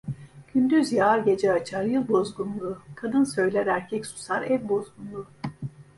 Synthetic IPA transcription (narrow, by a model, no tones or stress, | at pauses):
ɟ̥ynd̪yzjaaɾɟe̞d͡ʒɛat͡ʃʰaɾjɯlˠbo̞zɡunlˠuːkʰad̪ɯnsø̞jlʲæɾæɾcʰɛcsu̥saɾɛvbo̞zɡunlˠuː